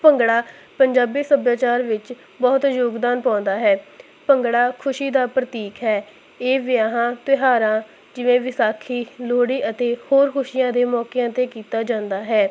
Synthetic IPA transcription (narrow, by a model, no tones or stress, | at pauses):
pəŋɡɽaː | pəɲd͡ʒaːbiːsəbjaːt͡ʃaːɾʋɪt͡ʃ | bɔːt̪joːɡd̪aːnpãːnd̪aːɦɛː | pəŋɡɽaːkʰʊʃiːd̪aːpɾət̪iːkɦɛː | eːʋɪjaːɦãːt̪ɪɦaːɾãː | d͡ʒɪʋẽːʋɪsaːkʰiːloːɽiːʔət̪eːhoːɾkʰʊʃɪjãːd̪eːmɔːkejãːt̪eːkiːt̪aːd͡ʒãːnd̪aːɦɛː